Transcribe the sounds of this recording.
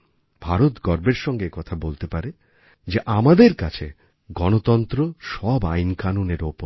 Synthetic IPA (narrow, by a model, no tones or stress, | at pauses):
bʱaɾot̪ɡɔɾbeɾʃɔŋɡeekɔt̪ʰabolt̪epaɾe | d͡ʑeʔamad̪eɾkat͡ɕʰe | ɡɔnot̪ɔnt̪ɾoʃɔba̰jnkanuneɾopo